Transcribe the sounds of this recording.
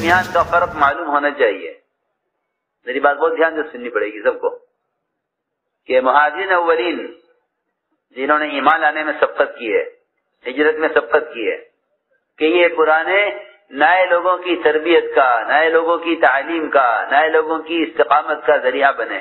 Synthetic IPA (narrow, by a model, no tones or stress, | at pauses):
mijaːnkafɐɾqmaːluːmɦoːnat͡ʃaːɦḭḛ | meːɾibaːt̪̚bɔːt̪̚d̪jaːnd͡ʒ̪osʊnːipɐɽeːɡisɐb̚ko̰ | kemʊɦaːd͡ʒɪɾinɐʋːɐliːn | d͡ʒɪnɦõːneiːmaːnlaːnemẽsɐb̚qət̪̚kiɦɛ̰ː | ɦɪd͡ʒɾət̪mẽsɐb̚qət̪̚kiɦɛ̰ː | kejepʊɾaːne | naːeloːɡõkit̪ɐɾbijət̪̚kanaːeloːɡõkit̪aːliːmkanaːeloːɡõkiɪst̪ɪqaːmət̪̚kazɐɾijabɐnḛ̃ː